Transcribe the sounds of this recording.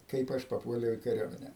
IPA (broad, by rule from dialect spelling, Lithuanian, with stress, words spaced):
ˈkɐɪp ɐʃ pɐˈpuɔlʲɛʊ ɪ kɐˈrʲuɔmʲɛnʲɛ